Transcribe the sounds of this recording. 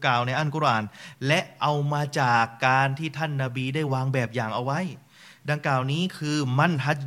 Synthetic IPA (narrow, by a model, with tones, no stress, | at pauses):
kaː˨˩wna˧jʔa˥˩nku˧˥ɾʔaː˨˩nlɛ˦˥ʔʔa˧wmaː˧t͡ɕaː˨˩kːaː˧nt̪ʰiː˥˩t̪ʰa˥˩nːaː˧biː˧daː˥˩jwaː˧ŋbɛː˨˩p̚jaː˨˩ŋʔa˧wa˦˥˨j | da˧ŋklaː˨˩wniː˦˥kʰɯː˧ma˥˩nɦa˦˥t̪̚